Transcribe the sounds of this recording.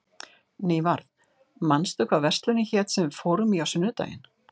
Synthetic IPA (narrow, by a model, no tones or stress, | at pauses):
neːjvaɾð | manst̪ʏkvawvɛrst̪lʏnɪçɛːt̪sɛmfoːwɾʏmiawsʏnːʏt̪a̰ːjɪ̰n